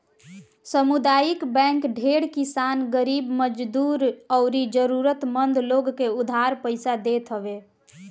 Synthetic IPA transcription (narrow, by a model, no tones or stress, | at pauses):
səmud̪ajikbɛ̃ŋkɖʱeɽkisanɡəɾibməd͡ʒd̪uɾɔʊɾid͡ʒəɾuɾət̪mənd̪ʱloɡkeud̪ʱaɾpəjsad̪et̪ɦəbe